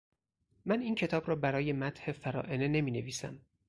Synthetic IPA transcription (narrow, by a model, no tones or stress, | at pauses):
mæniːncʰe̞t̪ʰɒːbɾɒːbæɾɒːje̞mæt̪ʰhe̞fæɾɒ̰ːʔe̞ne̞ne̞miːne̞viːsæ̰m